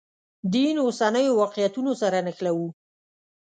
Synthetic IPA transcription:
d̪inosanəjowɑqjat̪unosaɾanəxlawu

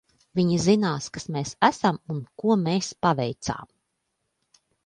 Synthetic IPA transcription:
vʲiɲizinaːskḁsmeːsæsamunkuɔmeːspavɛjt̪sa̰ːm

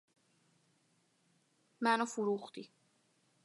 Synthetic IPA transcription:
mænofuɾuχd̪i

